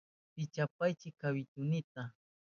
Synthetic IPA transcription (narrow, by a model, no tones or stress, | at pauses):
pɪt͡ʃap̚ajt͡ʃɪkawɪt̪ʊnɪt̪a